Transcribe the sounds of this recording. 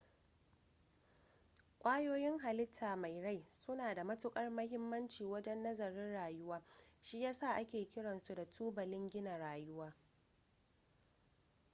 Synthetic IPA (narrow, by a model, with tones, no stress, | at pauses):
kʷʼaː˦joː˦jɪ˦ŋɦa˨lɪ˦tʰːaː˨ma˨jɽa˦jsʊ˦naː˨da˨mɐ˦tʊ˦kʼɐ˦rmɐ˦ɦɪ˦mːɐ˦nt͡ʃiː˨wɐ˦d͡ʒɛ˦nːɐ˦zɐ˨ɾɪ˦nɽaː˨jʊ˦waː˦ʃi˦jaː˦sa˦˨ʔa˦kʲeː˨kʲɪ˦ɽɐ˨nsu˨da˨tuː˦bɐ˨lɪ˦ŋɡʲɪ˦na˨ɽaː˨jʊ˦waː˦